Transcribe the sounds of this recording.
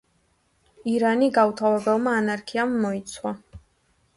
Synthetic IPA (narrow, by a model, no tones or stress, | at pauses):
iɾaniɡaut̪ʰavɛbɛlˠmaːnaɾkʰiamːɔit̪sʰwa